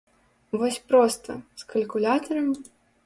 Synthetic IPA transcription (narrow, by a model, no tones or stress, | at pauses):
vɔsʲpɾɔst̪ɐ̰skɐlʲkulʲat̪ɐɾɐm